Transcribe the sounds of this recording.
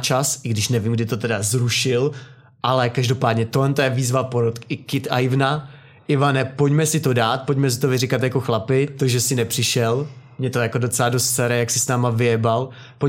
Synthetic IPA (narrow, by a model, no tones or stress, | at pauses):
t͡ʃasʔɪɡdɪʃnɛvimɡ̚dɪt̪o̞t̪ɛdazɾuʃɪl | ʔalɛkaʒdo̞paːdɲɛt̪olɛnt̪ojɛviːzvapoɾot̪kɪkɪt̪a̰jɪvna | ʔɪvanɛpocmɛsɪt̪o̞daːt̪̚pocmɛs̬ɪ̥t̪ovɪrɪkat̪jako̞xlapɪt̪oʒɛsɪnɛpr̥ɪʃɛlmɲɛt̪o̞jakodo̞t͡sɛladost̪t͡sɛɾɛjaksɪsnaːmavɪɛbal | po